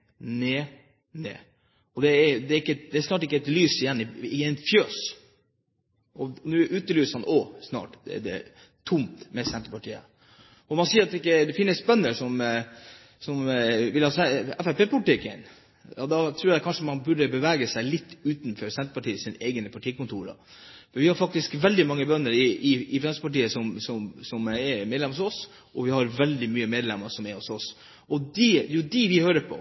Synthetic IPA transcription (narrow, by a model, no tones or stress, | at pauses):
neː | nḛː | ɔd̪ɛɛɾd̪ɛɾɪkːəd̪ɛæɾsnɑːʈ̬ɪkːəɛt̪lyːsɪjɛnːɪɪɛnfjøːs | ɔnʉːʔʉːt̪əlyːsəhɑnʔɔsnɑ̰ːʈ̪ɛ̰ɖɛ̰ | t̪ʰʊmt̪mɛsɛnt̪ɾəpɑʈʰiːə̰ | ɔmɑnsiːəɾɑt̪d̪ɛɪkːəd̪ɛfɪnːəspɛnːəɾʂɔm | sɔmʋɪlhɑːsɛɛfæpeːpʊlɪt̪ɪkːən | ɔd̪ɑt̪ʰɾuːɾækʰɑnʂəmɑnbʉɖəbəʋæːɡəsæɪlɪt̪ʰːʉːt̪nfɔɾsɛnt̪əpɑʈiːəsinəʔeɪɡənəpʰɑʈʰiːkʊnt̪ʰuːɾə̰fɔɾʋɪhɑɾfɑkt̪ɪskʋɛld̪ɪmɑŋːəbœnːəɾɪɪɪfɾɛnsəpɑʈiːəsɔmsɔmsɔmɛmeːd̪lɛmhʊsɔs | ʔɔʋɪhɑɾʋɛld̪ɪmyːəmeːd̪lɛmːəʂɔmɛɾhɔsɔs | ɔd̪ɪd̪ɛjʊd̪iʋɪhøːɾəpʰɔ̰